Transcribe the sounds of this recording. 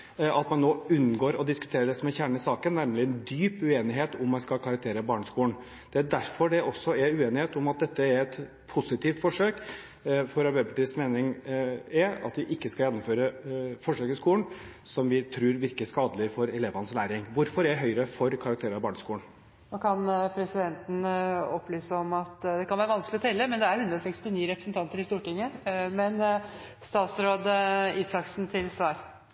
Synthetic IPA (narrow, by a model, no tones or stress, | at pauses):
ɑt̪mɑnːoːʉnːɡoːɾɔd̪ɪskʉt̪ʰeːɾəɖɛsɔmɛçæɳəsɑːkənnːɛɾmlɪɛnd̪yːpʉeːnɪɦeːt̪ʊmːænskɑlkʰɑɾɑk̚t̪ʰeːɾəbɑːɳəskuːɳ | d̪̥ɛæɖæɾfɔɖɛʔɔsːɔɛɾʉeːnɪheːt̪ʊmɑt̪̚d̪ɛt̪ːəæɾɛt̪ | pʰʊsɪt̪ʰiːft̪fɔʂøːk | fɔɾɑɾbeːpʰɑʈiːsmeːnɪŋɛɑ̰t̪ʋɪʔɪkːəskɑjɛnːɔmføːɾəfɔʂøːkɪskuːn | sɔmʋɪt̪ʰɾʉːɾʋɪɾkəskɑːd̪əlɪfɔɾɛleːʋɑnəslæɪɾɪŋʋʊɾfɔɾæɦœʏɾəfɔɾkʰɑɾɑk̚t̪eːɾəɑbɑːɳəskuːəɳ | noːkʰɑnpʰɾɛsɪd̪ɛnt̪ən̩ɔplyːsəɔmɑt̪d̪ɛkɑnʋæːɾəʋɑnsklɪɔt̪ʰɛlːəmɛnd̪ɛæɾhʉnd̪ɾɔsɛkst̪ɪniːɾɛpɾəsnt̪ʰɑnt̪əɾɪst̪uːʈɪŋːəmɛn | st̪ɑːt̪sɾoːd̪əiːt̪sɑksn̩t̪ʰɪlsʋɑːɾ